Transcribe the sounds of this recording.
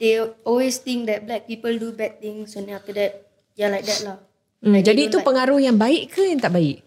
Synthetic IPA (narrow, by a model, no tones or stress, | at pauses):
d̥eɔlwest̪ɪ̃ŋk̚d̪ɛt̚blɛk̚pipəldubɛd̚t̪ɪ̃ŋsãnt̪ĩŋaftədɛt̚ | jɔlajk̚d̪ɛt̚lah | m̩d͡ʒadiːt̪upəŋaɾuhjaŋbaɪʔkəjaŋt̪aʔbaɪʔ̚